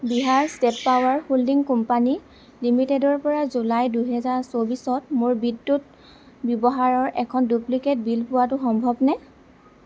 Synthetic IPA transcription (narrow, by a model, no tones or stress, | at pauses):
biɦaɹstɛtpawaɹhuldiŋkumpani | limitedɔɹpɔɹazulajdujɦɛzaɹsobisɔtmʊɹbidːut̚ | bjɔbɔɦaɹɔɹʔɛkʰɔndupliket̚bilpʊwatʊxɔmbʱɔbnɛ